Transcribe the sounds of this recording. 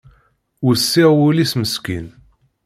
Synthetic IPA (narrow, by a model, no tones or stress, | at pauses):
usːiʁwulisməskin